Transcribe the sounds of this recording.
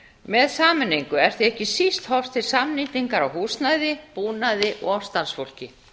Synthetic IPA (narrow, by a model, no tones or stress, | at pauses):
mɛðsaːmʏnːijŋkʏɛɾ̥θiɛhcɪsist̪hɔft̪ʰɪlsamniːt̪iŋkaɾawɦuːsnaðɪpuːnaðɪʔɔ̰ɣɔfst̪aɾsfowl̥cɪ